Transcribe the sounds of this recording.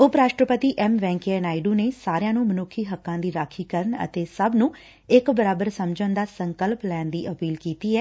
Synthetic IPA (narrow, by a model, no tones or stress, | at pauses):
ʊpɾaːʃʈɾəpət̪iːʔɛmʋɛ̃ːŋkːɛːnaːɪɖũːneːsaːɾejãːnũːmənʊkʰːiːɦəkːãːd̪iːɾaːkʰiːkəɾənə̰t̪eːsəbnũː | ɪkbəɾaːbəɾsəmd͡ʒənd̪aːsəŋkəlplɛːnd̪iːʔəpiːlkiːt̪iːɦɛː